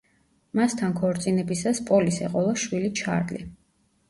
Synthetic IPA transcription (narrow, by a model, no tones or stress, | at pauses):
mast̪ʰankʰɔɾt̪sʼinɛbisaspʼɔlisɛqʼɔlaʃwilit͡ʃʰa̰ɾlḭ